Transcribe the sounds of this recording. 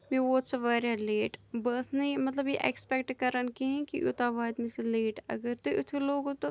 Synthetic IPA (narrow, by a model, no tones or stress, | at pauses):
meʋoːt̪sɐʋaːɾaleːʈbɐːsnemɐt̪ləbjeʔɛ̰kspɛk̚ʈkɐɾənkiɦɛ̃kiʔʊ̰t̪aːʋaːd̪miseleːʈɐ̰ɡəɾt̪oʔʊt̪ʰiloːɡt̪o